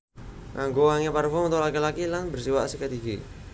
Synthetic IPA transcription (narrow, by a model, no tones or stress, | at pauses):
kaŋɡowaŋeparfɔmnt̪ɔʔlakilakilanbərsiwaʔsikət̪iɡi